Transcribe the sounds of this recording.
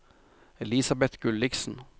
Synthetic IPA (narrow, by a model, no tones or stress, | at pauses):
ɛliːsɑbɛt̪ɡʉlɪɡsn̩